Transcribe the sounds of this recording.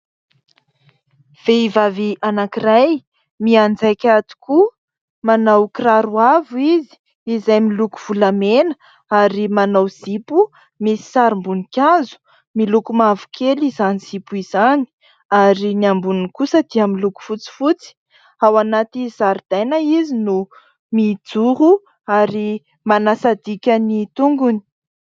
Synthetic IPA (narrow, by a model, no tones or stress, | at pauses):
v̥eivaviʔanakiraj | miand͡zajkʲat̪i̥ku | manawkiraɾuavuizi̥ | izajmiluku̥v̥ulamenə̥ | aɾimanawz̥ipu | misi̥saɾimbunikʲazu̥ | milukumavu̥kʰelizaniz̥ipuizani̥ | aɾiniambuninkusəd̪̥iamiluku̥fut͡si̥fut͡si̥ | awanat̪izaɾid̪̥ajnaizinu | mid͡zuɾu | aɾi | manasad̪ikʲanit̪uŋɡuni̥